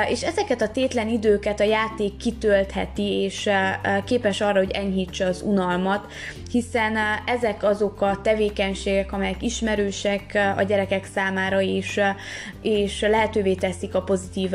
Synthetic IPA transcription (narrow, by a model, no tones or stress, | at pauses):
eːʃɛzɛkɛt̪ɒt̪eːt̪lɛnid̪øːkɛt̪ɒjaːt̪eːkːit̪ølt̪hɛ̰t̪ieːʃkeːpɛʃɒrːɒɦo̞ɟɛɲɦit͡ʃːɛːzṵnɒlmɒt̪ | hisɛnɛzɛkɒzo̞kɒt̪ɛveːkɛɲʃeːɡɛkɒmɛjɛkiʃmɛɾøːʃɛkɒ̰ɟɛɾɛkɛksaːmaːɾɒeːʃ | eːʃlɛɦɛt̪øːveːt̪ɛsikɒpo̞zit̪iːv